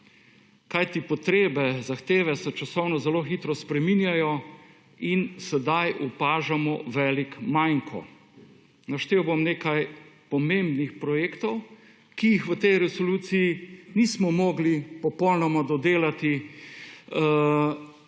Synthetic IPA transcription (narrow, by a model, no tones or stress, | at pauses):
kajt̪ipɔt̪ɾeːbɛzaxt̪eːʋɛsɛt͡ʃasɔwnɔzɛloxit̪ɾɔspɾɛminjajɔ | insɛd̪ajʔupaːʒamɔʋɛːlikmajŋkʰɔ̰ | naʃt̪eːwbomneːkajpɔmembnixpɾɔjeːkt̪ɔw | kijixʋət̪ɛjɾɛsɔluːsijinismɔmɔːɡlipɔpɔwlnɔmad̪ɔd̪eːlat̪i